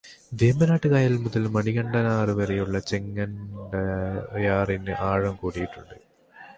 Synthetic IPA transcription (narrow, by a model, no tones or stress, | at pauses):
d̪eːmbɐnaːʈːɨkaːjɐlmuðɐlmɐɳiɣɐɳɖɐnaːrɨʋɐrɐjuɭːɐt͡ɕeŋːɐnɖɐjaːrinɨʔaːɻɐmkuːɽijiʈːuɳɖɨ